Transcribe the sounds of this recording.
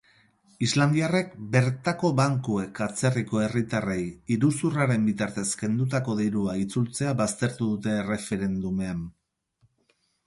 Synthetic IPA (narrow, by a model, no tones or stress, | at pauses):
izland̪iare̞kbe̞ɾt̪ako̞βaŋkue̞kʰat͡se̞riko̞e̞rit̪arejiɾusuraɾe̞mbit̪aɾt̪e̞ske̞nd̪ut̪ako̞ðiɾuait͡sult͡se̞aβast̪e̞ɾt̪uðut̪e̞ːre̞fe̞ɾe̞nd̪ume̞am